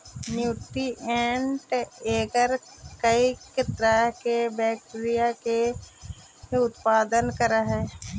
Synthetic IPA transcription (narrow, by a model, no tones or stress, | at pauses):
njuːʈiʔɛːɳʈeːɡəɾ | kɐikɪt̪ɾaːkebɛːk̚ʈːɾijake | ʊt̪paːd̪ənkəɾaɦɛː